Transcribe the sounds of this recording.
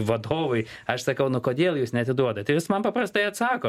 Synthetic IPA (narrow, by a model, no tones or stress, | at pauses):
ʋɐd̪oːʋʊɪ | ɐʃsɐkɐʊnʊkoːd̪ʲeːlˠjuːsnʲɛɐt̪ʲɪd̪uɔd̪ɐt̪ʲɐɪʋʲɪsmɐnpɐpɾɐst̪ɐɪɐt̪sɑːkoː